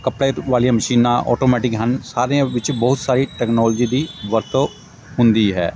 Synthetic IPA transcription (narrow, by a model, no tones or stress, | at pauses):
kəpɽeːʋaːlijãːməʃiːnãːʔɔ̰ːʈoːmɛːʈɪkɦənsaːɾeãʋɪt͡ʃbəːʊt̪saːɾiːʈɛːknɔːld͡ʒiːd̪iːʋəɾt̪o | ɦʊnd̪iːɦɛ̰ː